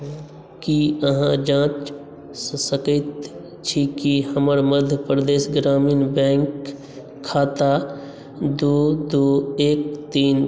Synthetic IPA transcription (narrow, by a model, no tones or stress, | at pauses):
kiəɦãd͡ʒãːt͡ʃ | səkət̪ | t͡ʃʰikihəməɾməd̪ʱjəpɾd̪eːsɡɾaːmiːnbɛ̃ːŋkʰː | aːt̪a | d̪oːd̪oːeːk̚t̪iːn